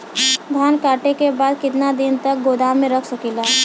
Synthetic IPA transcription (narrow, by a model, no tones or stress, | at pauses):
d̪ʱaːnkaːʈekebaːd̪kɪt̪nad̪ɪnt̪ɐk̚ɡoːd̪amẽɾɐkʰsɐkilaː